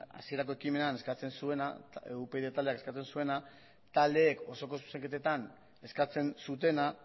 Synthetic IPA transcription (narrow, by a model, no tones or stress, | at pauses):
a̰sieɾako̞e̞kime̞nane̞skat͡se̞nsue̞na̰eupeðet̪ald̪eakeskat͡se̞nsue̞na | t̪ald̪e̞ːko̞so̞ko̞su̥seŋket̪et̪an | e̞skat͡se̞nsut̪e̞na